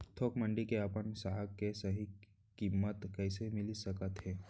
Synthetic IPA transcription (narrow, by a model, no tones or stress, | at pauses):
t̪ʰoːkməɳɖikeapəɳsaɦəkːesəɦi | kimːət̪kəɪsemilisəkət̪ɦɛ